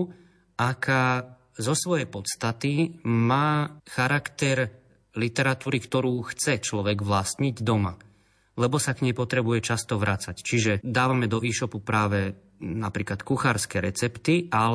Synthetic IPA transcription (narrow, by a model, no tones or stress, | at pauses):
akʰa | zɔsʋɔjɛpɔt̪st̪at̪imaːxaɾakt̪ɛɾ | lit̪ɛɾat̪uːɾikt̪ɔɾuːxt͡sɛt͡ʃlɔʋɛɡʋlast̪ɲiɟd̪ɔma | lɛbɔsakɲɛpɔt̪ɾɛbujɛt͡ʃast̪ɔʋɾʔat͡sact͡ʃiʒɛd̪aːʋamɛd̪ɔʔiːʃɔpupɾaːʋɛ | napɾiːklat̪kuxaːɾskɛɾɛt͡sɛpt̪ia